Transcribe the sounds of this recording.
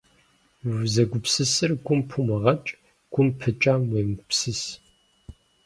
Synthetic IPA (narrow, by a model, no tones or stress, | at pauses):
wzɐɡʷʊpsɨsɨrkʷʼʊmpʰumɐʁɐt͡ʃʼ | kʷʊmpʰɨt͡ʃʼaːmweːmpsɨs